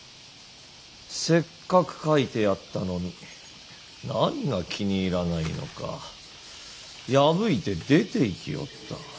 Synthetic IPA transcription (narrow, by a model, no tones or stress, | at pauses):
se̞kːakɯ̟̥kait̪e̞jat̪ːano̞ɲ̟i | naɲ̟iɡakʲiɲ̟iːɾanaino̞̰ka̰ | jabɯ̟it̪e̞d̪e̞t̪e̞ikʲijo̞̰t̪ːa